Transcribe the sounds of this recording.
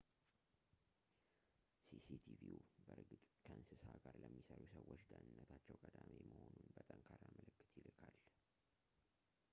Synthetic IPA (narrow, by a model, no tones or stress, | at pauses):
sisit̪ʰiviubəɾɡɨt̪ʼkʰəʔɨnsɨsaɡaɾləmːisəɾusəwːot͡ʃd̪ənɨnːət̪ʰat͡ʃːɛwkʼəd̪ameməho̞nunbət̪ʼəmkʰaɾaməlɨkːɨ̥t̪jɪlɨkʰal